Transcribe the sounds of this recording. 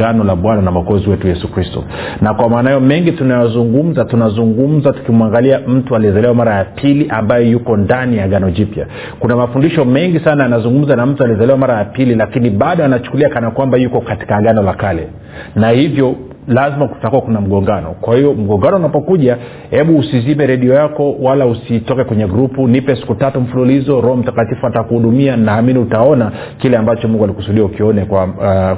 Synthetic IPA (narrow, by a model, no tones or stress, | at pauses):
anɔlaɓwananawaɡɔziwɛtujɛsukɾistɔ̰nakwamaːnaajɔmɛŋɡitunajazuŋɡum̩zatunazuŋɡum̩zatu̥kimwaŋɡaliam̩tualiɛzalɛwamaɾajapʰiliʔambajɔjukɔndanijaɠanɔd͡ʒipja̰ | kunamafundiʃɔmɛŋɡisanajanazuŋɡum̩zanam̩tualiɛzalɛwamaɾajapililakiniɓaɗɔanat͡ʃu̥kuliakanakwambajukɔkati̥kaɠanɔlakalɛ | nahivjɔ | lazimaku̥takuwakunam̩ɠɔŋɡanɔ̰kwahiɔm̩ɠɔŋɡanɔunapɔkuʄa | hɛɓuːsizimɛɾɛɗiɔjakɔwalausitɔkɛkwɛɲɛɡɾupunipɛsi̥kutatum̩fululizɔɾɔhɔm̩takatifuatakuhuɗumianaːminiutaɔna | kilɛambat͡ʃɔmuŋɡualikusuɗiaukiɔnɛkwa